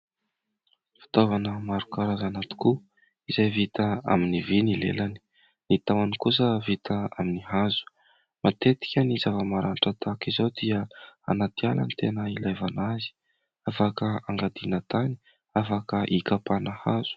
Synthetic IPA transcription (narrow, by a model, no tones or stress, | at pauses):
fi̥t̪ovanəmaɾukaɾazanat̪i̥ku | izajvit̪aa̰minivinilḛlani̥ | nit̪awanikus̬əvit̪ʰaa̰miniɦazu̥ | mat̪et̪i̥kʲənizavəmaɾanʈ͡ʂat̪akizowd̪iəa̰nat̪iala̰nit̪enəilajvanazi̥ | afakəaŋɡad̪inət̪ani̥ | afakəʔikapanahaz̥u̥